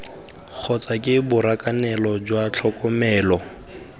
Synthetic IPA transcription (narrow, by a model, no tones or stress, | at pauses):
k͡xʰɔt͡sʼakʼɪbʊɾakʼanɛlɔd͡ʒwat͡ɬʰɔkʼɔmɛːlɔ